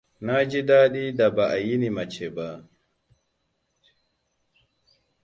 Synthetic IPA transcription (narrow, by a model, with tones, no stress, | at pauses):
na˦d͡ʒi˦daː˦ɗi˦da˨ba˨ʔa˨ji˦nima˨t͡ʃɛ˨ba˨